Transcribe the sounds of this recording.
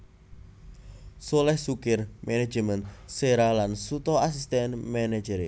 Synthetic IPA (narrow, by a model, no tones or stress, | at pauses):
solɛhsukɪrmʔɛnɛ̥d͡ʒəmənt̪seɾalansut̪ɔas̬ist̪ɛnmɛnɛ̥d͡ʒəɾe